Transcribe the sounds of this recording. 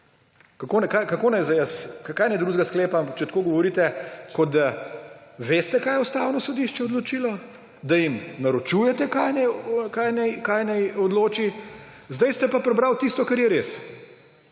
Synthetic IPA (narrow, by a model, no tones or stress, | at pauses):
kakonɛkajkakoːnɛjzajəsakaːjnɛjd̪ɾuzɡaskleːpampk̚t͡ʃɛt̪koːɡɔʋɔɾit̪ɛkɔd̪a | ʋeːst̪ɛkaːjɛust̪aːwnɔsɔd̪iʃt͡ʃɛɔd̪lɔt͡ʃiːlɔ | d̪ajimnaɾot͡ʃujɛt̪ɛkajnɛjkajnɛjkajnɛjɔd̪loːt͡ʃi | zd̪ajst̪ɛpapɾɛbɾawt̪ist̪ɔkaɾjɛɾes